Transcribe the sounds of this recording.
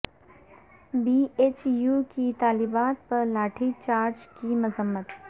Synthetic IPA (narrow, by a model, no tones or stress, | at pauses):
biːeːt͡ʃjuːkit̪aːlibaːt̪̚pɐɾlaːʈʰit͡ʃaːɾd͡ʒkimʊzəmːət̪